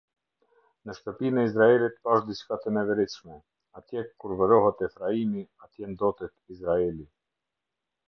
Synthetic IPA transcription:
nəʃt̪əpinɛizɾaɛlit̪paʃd̪iskat̪ɛnɛvɛɾiʃmɛ | at̪jɛkːuɾvəɾɔɦɛt̪ɛfɾaimiat̪jɛnd̪ɔt̪ɛt̪izɾaɛli

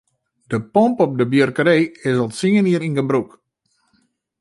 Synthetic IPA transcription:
dəpɔmpɔp̚dəbjørkəɾejɪsɔlˠtsiŋəniəɾinɡəbruk

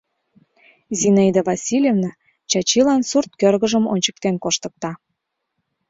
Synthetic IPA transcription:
zʲinɑid̪əvɑsʲilʲjevnɑ | t͡ɕɑt͡ɕilɑnsurt̪̚kørɣəʒəmo̰nʲt͡ɕə̥k̚t̪enkoʃt̪ə̥̆k̚t̪ɑ

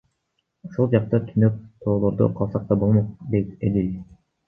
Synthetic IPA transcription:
uʃulˠd͡ʒɑq̚t̪ɑt̪ʰynøp̚t̪ʰo̞ːlˠo̞ɾd̪ṵqʰɑlˠsɑq̚t̪ɑbo̞lˠmoq̚d̪et̪ed̪ij

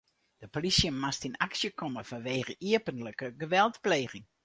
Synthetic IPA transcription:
d̥əpolisjəmastinaksjəkʰɔməfɔnʋeːɣəʔiəpənləkəɡəʋɛlˠtpleːɣɪŋ

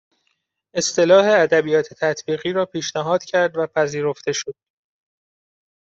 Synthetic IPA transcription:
e̞st̪e̞lɒːhe̞æd̪æbijɒːt̪ʰet̪ʰæt̪ʰbiːɣiːɾɒːpʰiːʃnæɦɒːd̪̥cʰæɾd̪væpʰæziːɾo̞ft̪e̞ʃod̪̥̚

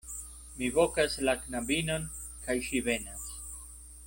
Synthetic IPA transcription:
mivokaslaknabinon | kʰajʃive̞nas

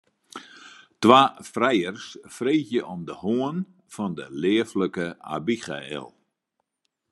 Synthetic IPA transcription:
tʋaːfrɛjərsfreːxjəʔɔmdəhoən | fɔndəlɪːəfləkəa̰biχa̰ɛ̰lˠ

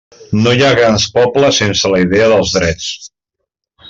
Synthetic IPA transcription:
nojaɣɾanspɔpləsensələiðɛəðəlˠzðɾɛt͡s

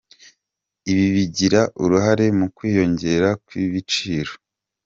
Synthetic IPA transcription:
iβiβiɟiɾaʔuɾuɦaɾe̞mukwiːjo̞ɲɟe̞ɾakwiβit͡ʃiːɾo

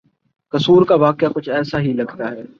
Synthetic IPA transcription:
kɐsuːɾkaʋaːkɪjakʊt͡ʃʰɛːsaɦilɐɡt̪aɦɛː

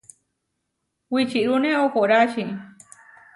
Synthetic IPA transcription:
wit͡ʃiɾunẽokoɾaʃi

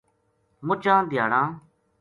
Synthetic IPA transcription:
mʊt͡ʃãːd̪ʱɪjaːɽãː

